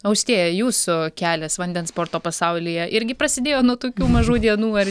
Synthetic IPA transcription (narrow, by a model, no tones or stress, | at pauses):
ɐʊsʲt̪ʲeːjjuːsʊkʲæːlʲɛsʋɐnʲd̪ʲɛnspoːrt̪oːpɐsɐʊlʲɪjɛʔɪɾʲɡʲɪpɾɐsʲɪd̪ʲeːjoːnuɔt̪oːkʲuːmɐʒuːd̪ʲiɛnuːɐr